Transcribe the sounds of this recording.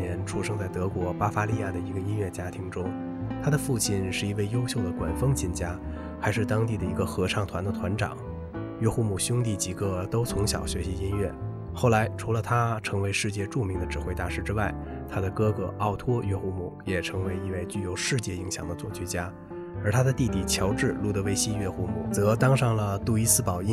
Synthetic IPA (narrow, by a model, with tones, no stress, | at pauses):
ɛ˧˥nʈ͡ʂʰu˥ʂɤ˥˧ŋt͡sa˥˩ɪt̪ɤ˧˥kwɔ˧˥pa˥fa˥li˥˧ja˥˩d̪ə˩i˧˥ɡə˧i˥nɥɛ˥˩t͡ɕja˥t̪ʰi˧˥ŋʈ͡ʂʊ˥ŋ | t̪ʰa˥d̪ə˨fu˥˧t͡ɕʰi˥˩nʂɻ̩˥˩i˧˥we˥˩ɪjo˥ʊɕjo˥˩ʊd̪ə˩kwa̰˨˩nfɤ˥ŋt͡ɕʰi˥˩nt͡ɕja˥ | xa˧˥ɪʂɻ̩˥˧t̪ɑ˥ŋt̪i˥˩d̪ə˩i˧˥ɡə˧xɤ˧˥ʈ͡ʂʰɑ˥˩ŋt̪ʰwa˧˥nd̪ə˧t̪ʰwa˧˥nʈ͡ʂɑ̰˨˩˦ŋ | ɥɛ˥xu˥˧mu˨˩ɕʊ˥ŋt̪i˥˩t͡ɕi˧˥ɡɤ˥˧t̪o˥ʊt͡sʰʊ˧˥ŋɕjɑ̰˨˩ʊɕɥɛ˧˥ɕi˧˥i˥nɥɛ˥˩ | xo˥˩ʊla˧˥ɪʈ͡ʂʰu˧˥lə˧t̪ʰa˥ʈ͡ʂʰɤ˧˥ŋwe˧˥ɪʂɻ̩˥˧t͡ɕjɛ˥˧ʈ͡ʂu˥˩mi˧˥ŋd̪ə˧ʈ͡ʂɻ̩˨˩xwe˥˧ɪt̪a˥˩ʂɻ̩˥˧ʈ͡ʂɻ̩˥wa˥˩ɪ | t̪ʰa˥d̪ə˨kɤ˥kɤ̰˧˥ɑ˥˩ʊt̪ʰwɔ˥ɥɛ˥˧xu˥˩mṵ˥˩jɛ˨˩ʈ͡ʂʰɤ˧˥ŋwe˧˥ɪi˥˧nwe˥˧ɪt͡ɕy˥˩jo˧˥ʊʂɻ̩˥˧t͡ɕjɛ˥˩i˧˥ŋɕjɑ˨˩ŋd̪ə˧t͡swɔ̰˥˩t͡ɕʰy˥t͡ɕja˥ | ə˞˧˥t̪ʰa˥d̪ə˨t̪i˥˧˩t̪i˨˩t͡ɕʰjɑ˧˥ʊʈ͡ʂɻ̩˥˧lu˥˩t̪ɤ˧˥we˧˥ɪɕi˥˧ɥɛ˥˧xu˥˩mu˨˩t͡sɤ˧˥t̪ɑ˥ŋʂɑ˥˩ŋlə˩t̪u˥˩i˥sɹ̩˥pɑ˨˩ʊi˥